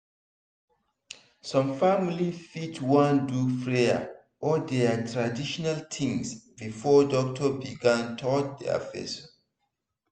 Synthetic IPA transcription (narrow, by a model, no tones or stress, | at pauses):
sɔ̃mfamilifitwãndufɹea̰ | ʔɔdɛatʰɹadiʃɔnalt̪ʰĩŋsbifɔdɔk̚tʰɔbiɡãntʰɔt̚dɛ̰fɛ̰s